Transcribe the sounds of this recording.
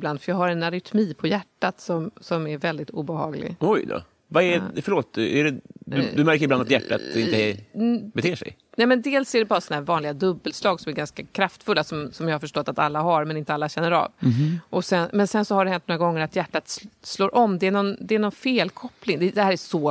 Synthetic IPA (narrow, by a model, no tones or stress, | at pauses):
bland̪fœɾjɑːɦaɾɛnaɾɪt̪ʰmiːpʰɔjæʈːat̪sɔmsɔmæɾvɛld̪ɪt̪ṵːbɛhɑ̰ːɡlɪ̰ɡɔjd̪ɔ̰ | vaɛfœɾɭoːt̪̚æ̰ɖɛd̪d̪ɵmæɾkəɾɪb̪and̪at̪jæʈːa̰t̪ɪnt̪ə | bɛt̪ʰeːʂɛ̰j | nɛmɛnd̪eːlsæɖɛbɑːɾasɔnaɦæɾvɑːnlɪɡad̪ɵbːəlslɑːɡsɔmæɾɡanskakʰɾaft̪fɵlːasɔmsɔmjɑːhaɾfœʂʈɔt̪ːat̪alːaɦaɾmɛnɪnt̪əalːaɕɛnːəɾɑ̰ːvʔɔsɛnmɛnsɛnsɔhaɖɛhɛnt̪nɔɾaɡɔŋːəɾat̪jæʈːat̪ssloːɾʔɔmːd̪ɛænɔnd̪ɛːnɔnfeːlkʰɔplɪŋd̪ɛd̪ɛhæːɾæʂɔ